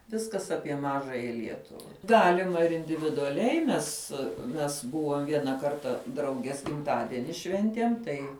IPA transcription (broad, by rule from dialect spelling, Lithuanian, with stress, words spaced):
ˈʋʲɪskɐs ˈɑːpʲiɛ ˈmɑːʒɑːjɛ ˈlʲiɛtʊʋɐ ˈɡɑːlʲɪmɐ ɪr ɪnʲdʲɪʋʲɪdʊɐˈlʲɛɪ ˈmʲɛs mʲɛs ˈbʊʋoːm ˈʋʲiɛnɐ ˈkɐrtɐ ˈdrɐʊɡʲiɛs ɡʲɪmˈtɑːdʲɛnʲɪ ˈʃʲʋʲɛnʲtʲiɛm ˈtɐɪ